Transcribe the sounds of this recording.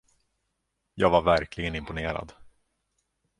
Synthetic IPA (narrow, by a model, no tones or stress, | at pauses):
jɑːɡvaɾvæɾkʰlɪɡənɪmpʊneːɾa̰d̪